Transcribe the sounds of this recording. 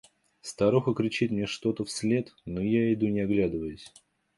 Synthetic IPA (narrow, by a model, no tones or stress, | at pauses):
st̪ɐɾoxəkɾʲɪt͡ɕit̪ʲmnʲeʂt̪o̞t̪əfsʲlʲe̞t̪nojaɪd̪unʲɪɐɡlʲad̪ɨvəjʊsʲ